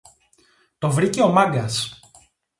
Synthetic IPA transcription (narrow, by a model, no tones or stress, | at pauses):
t̪o̞vɾiceo̞mɐɡɐs